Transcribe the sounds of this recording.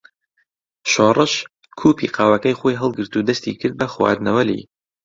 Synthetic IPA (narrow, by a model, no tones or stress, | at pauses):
ʃoːrˤɨʃ | kʰuːpḭqʰɑːwɐkɐjxoːjɦɨlˠɡɨɾt̪ud̪ɐst̪ḭkʰɨɾd̪̚bɐxwɑ̰ːd̪nɐwɐlḭ